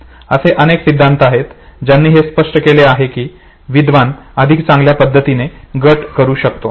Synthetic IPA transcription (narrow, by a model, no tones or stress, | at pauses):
əseʔəneksid̪ʱːant̪ʰəaɦet̪d͡ʑjanːiːɦespəʂʈəkeleaɦekiː | ʋid̪ʋanəd̪ʱikt͡sãŋɡljapəd̪ʱːət̪ineɡəʈkəɾuːɕək̚t̪o